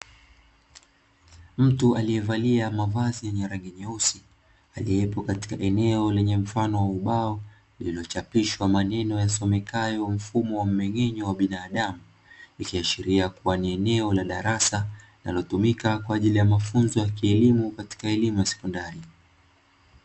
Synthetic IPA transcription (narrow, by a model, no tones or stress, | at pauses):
m̩tualiɛvaliamavazijɛɲɛɾaŋɡɛɲɛusi | aliɛpɔkati̥kaʔɛnɛɔlɛɲɛm̩fanɔwauɓaɔ | lililɔt͡ʃapiʃwamanɛnɔjasɔmɛkajɔm̩fumɔwam̩mɛŋɛɲɔwaɓinaːɗamu | ikiaʃiɾiakuwaniɛnɛɔlaɗaɾasaina̰lɔtumikakwaːʄilijamafunzɔjakiɛlimukati̥kaɛlimujasɛ̥kɔndaɾi